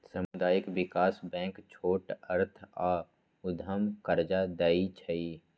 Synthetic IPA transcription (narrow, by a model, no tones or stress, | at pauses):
səmʊd̪aːjɪkʋɪkaːsbɛ̃ːkt͡ʃʰoːʈəɾt̪ʰaː | ʊd̪ʱəmkəɾd͡ʒad̪əit͡ʃʰəi